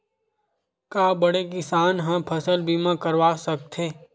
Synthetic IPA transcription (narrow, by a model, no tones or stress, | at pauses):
kaːbɐɽekɪsaːnɦãpʰəsəlbimãkəɾʋaːsɐk̚t̪ʰeː